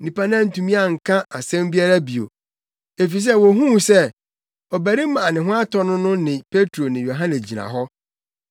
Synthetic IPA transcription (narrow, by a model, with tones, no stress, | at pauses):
nĩ˨pa˦nã˦˨n̩˨tũ˨mĩ˦a˦˨ŋ̩˨kʰã˦ʔa˨sɛ̃˦mbi˦a˦ɾa˦bi˨o̰˨ | e˨fi˨s̬ɛ˦wɔ˨ɦũ˦˨sɛ˦ | ɔ˨bæ˨ɾi˦mã˨a˨nɪ̃˨ɦʊ̃˦a˦tʰɔ˦nʊ̃˦nʊ̃˦nɪ̃˨pʰe˦tʰɾo˨nɪ̃˨jo˨ɦã˦nɪ˨sd͡ʑi˨nã̰˨ɦɔ˦